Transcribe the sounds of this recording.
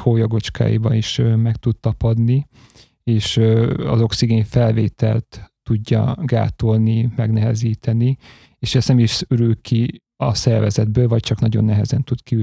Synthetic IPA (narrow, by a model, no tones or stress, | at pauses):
hoːjoɡo̞t͡ʃka̰ːjḭbɒniʃmɛkt̪ut̪t̪ɒpɒd̪ni | eːʃɒ̰zo̞ksiɡeːnfɛlveːt̪ʰɛlt̪ː | uɟːɒ̰ɡa̰ːt̪o̞lnimɛɡnɛɦɛziːt̪ʰɛni | eːʃɛst̪nɛmiʃyɾylki | ɒsɛrvɛzɛd̪bøːlvɒc̚t͡ʃɒknɒɟo̞nːɛɦɛzɛnt̪ut̪ki